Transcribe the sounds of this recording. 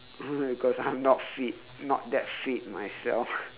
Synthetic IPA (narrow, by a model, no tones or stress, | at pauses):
bikɔsajmnɔtfit̚ | nɔ̰t̚dɛtfit̚majsɛ̰lf